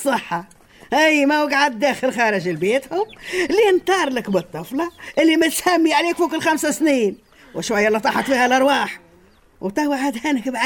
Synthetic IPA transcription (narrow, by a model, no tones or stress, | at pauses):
sˤːɨħːɑ | ʔijmæwaɡʕad̪ːæːxɪlxɑːɾɪʒɪlbeːt̪hʊmlint̪ˤɑːɾˤlɪkbɨt̪ˤːɨflɑʔɪlːimɪt̪hæmːiʕaleːkfuːkɪlxamsasniːn | wʃwajːælit̪ˤɑħɑt̪fiːhælʔɑɾˤwɑːħ | wt̪ˤɑwaʕad̪hænɪkbʕa